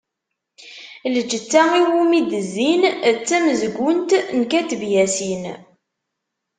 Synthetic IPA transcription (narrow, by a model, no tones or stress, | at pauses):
ləd͡ʒət͡sːæiwumid̪əzːinət͡sːæməzɡʷʊnt̪nkæt̪vjæsin